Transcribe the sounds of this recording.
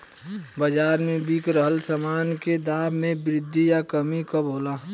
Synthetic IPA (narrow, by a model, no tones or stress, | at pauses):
bəd͡ʒaːɾmẽbiːkɾəɦəlsəmaːnked̪aːbmẽbɾɪd̪ʱːijakəmikəbʱoːlaː